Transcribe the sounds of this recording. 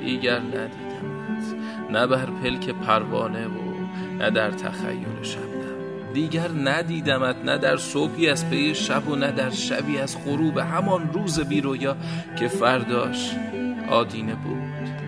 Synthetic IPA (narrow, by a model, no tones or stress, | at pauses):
d̪̥iːɟæɾnæd̪iːd̪æmæt̪ | næbæɾpʰe̞lkʰe̞pʰæɾvɒ̰ːne̞vo̰ | næ̰d̪æɾt̪ʰæ̰xæ̰jːo̰ɾeʃæbd̪æm | d̪iːɟæɾnæd̪iːd̪æmæt̪ʰnæ̰d̪æɾsobiːæzpʰejeʃæbonæd̪æɾʃæ̰biːæzɢoɾuːbeɦæmɒnruːze̞biːɾojɒː | cʰe̞fæɾd̪ɒːʃ | ʔɒ̰ːd̪iːne̞buːd̪̥